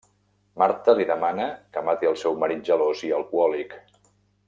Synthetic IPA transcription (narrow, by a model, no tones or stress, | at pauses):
maɾt̪əliðəmanəkəmat̪iəlˠsɛwməɾid͡ʒəloziəlˠkuɔlik